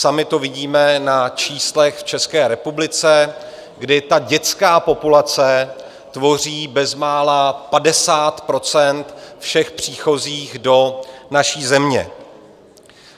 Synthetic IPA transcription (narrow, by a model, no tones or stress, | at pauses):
samɪt̪ovɪɟiːmɛnat͡ʃiːslɛxft͡ʃɛskɛːɾɛpublɪt͡sɛ | ɡdɪt̪aɟɛt͡skaːpo̞pulat͡sɛ | t̪vo̞riːbɛzmaːlapadɛsaːt̪pɾo̞t͡sɛnt̪fʃɛxpr̝̥iːxo̞ziːɣdo̞naʃiːzɛmɲɛ̰